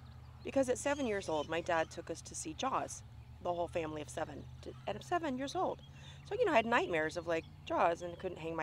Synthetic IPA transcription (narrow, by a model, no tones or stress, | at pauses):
b̥ɨkʰʌzɨtsɛvɨ̃njɪɹzoʊlˠd̚maɪdæd̚tʰʊkʌstʰɨsid͡ʒɔz̥ | ðəhoʊlˠfæ̃mliʌv̥sɛvɨ̃ntʰɨɨ̃nʌv̥sɛvɨ̃njɪɹzoʊlˠd̥ | soʊjɨnoʊaɪɨdⁿnaɪt̚mɛɹzʌvlaɪk̚d̥ʒ̥ɔzɨ̃nakʰʊdⁿn̩ʔɦæ̃ŋmaɪ